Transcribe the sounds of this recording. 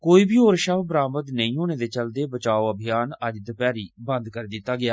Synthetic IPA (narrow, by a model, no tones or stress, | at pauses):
koːiːbiːɦoːɾʃəbbɾaːməd̪nəĩːɦoːneːd̪eːt͡ʃəld̪eːbət͡ʃaːoːəbʱɪjaːnəd͡ʒd̪əpaːɾiːbə̃nd̪kəɾeːd̪ɪt̪ːaːɡɪaː